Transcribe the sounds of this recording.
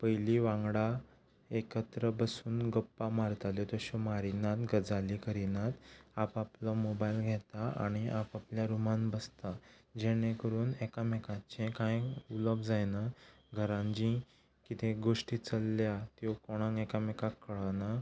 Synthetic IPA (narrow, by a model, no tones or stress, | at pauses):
pəjliʋãŋɡɽa | ekət̪ɾəbəsuːnɡəpːamaɾt̪aljɔt̪ɔɕɔmaɾinat̪ɡəd͡zalikəɾinat̪apaplɔmobajlɡʱɛt̪aa̰ɽ̃iapapljaɾumanbəst̪ad͡ʑeɽ̃ekəɾuːnekamekãt͡ɕẽkãjuləbd͡zajna | ɡʱəɾãɲd͡ʑĩ | kit̪ʰeɡoʂʈiːt͡səlːjat̪jɔkɔɽ̃ãŋɡɛkamekakːəɭana